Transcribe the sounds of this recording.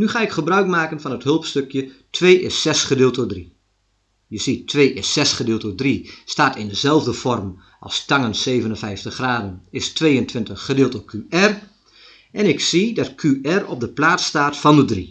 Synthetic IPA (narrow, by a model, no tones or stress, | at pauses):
nyχaːɪkχəbrœɥkmaːkənfɔnətɦɵlˠpstøkʰjətʰʋeːʔɪ̰sɛsχədɪːlˠtədri | jəsitʰʋeːʔɪsɛsχədɪːlˠtədristaːtɪndəzɛlˠvdəfɔrm | ɑ̰lˠstaŋənseːvənənfɛjftəχraːdənɪstʋeːəntʰʋɪntəχːədɪːlˠtəkʰyɛr | ʔɛnɪksidɑtkʰyɛrɔb̚dəplaːtstaːtfɔndədri